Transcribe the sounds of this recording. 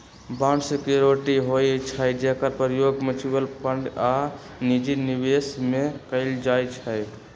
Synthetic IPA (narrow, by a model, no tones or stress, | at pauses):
bãnɖskeɾoʈiɦojt͡ʃʰəjd͡ʒeɦkəɾpəɾjoɡmət͡ʃibəlpəɳɖa | nid͡ʒinibesmekəɪld͡ʒajt͡ʃʰəj